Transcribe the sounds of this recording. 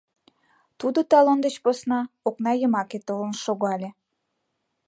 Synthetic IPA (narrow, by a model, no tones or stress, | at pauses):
t̪ud̪ot̪ɑlond̪ət͡ɕposnɑoknɑjə̆mɑket̪olənʃoɣɑlʲe